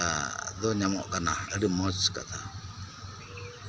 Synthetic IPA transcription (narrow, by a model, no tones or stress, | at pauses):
ad̪ɔɲamɔ̰ʔkanaəɾɯmɔt͡ska̰t̪ʰa